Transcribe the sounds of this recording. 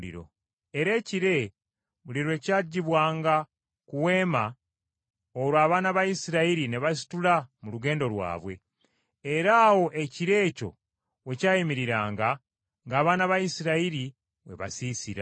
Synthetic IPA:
ḭɾo̞̰ | eɾe̞ːciɾe̞ | βuliɾwe̞ːcaːɟːiβwaːŋɡa | kuwe̞ːma | oɾwaːβaːnaβajisiɾaiɾine̞βas̬i̥tulamuluɡe̞ːndo̞lwa̰ːβwe̞̰ | eɾaːwo̞ʔe̞ciɾe̞ːco̞̰ | we̞caːjimiɾiɾaːŋɡa | ŋɡaːβaːnaβajisiɾaiɾi | βwe̞̰βa̰sisiɾa

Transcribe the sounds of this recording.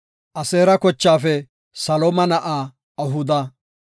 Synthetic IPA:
ʔɐseːɾɐkɔt͡ʃːaːfɛ | sɐloːmɐnɐʔaː | ɐɦʊd̪ɐ

